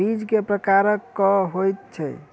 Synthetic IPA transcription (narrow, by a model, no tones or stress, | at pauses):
id͡ʒkepɾəkaɾəkːɔɦojt̪̚t͡ʃʰɛ̰